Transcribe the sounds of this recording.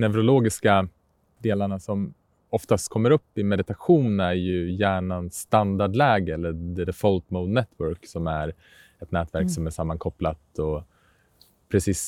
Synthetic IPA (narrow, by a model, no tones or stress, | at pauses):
nɛvɾʊloːɡɪska | d̪eːlaɳasɔm | ɔft̪ast̪kʰɔmːəɾɵpːɪmɛd̪ɪt̪aɧuːnæɾjɵjæːɳanst̪and̪aɖlɛːɡəɛlːəd̪ɛd̪əfɔlt̪moʊd̪nɛt̪ʰwœɾksɔmæɾ | ɛt̪nɛːt̪væɾksɔmæʂamːanŋkʰɔplat̪ɔ | pʰɾɛsiːs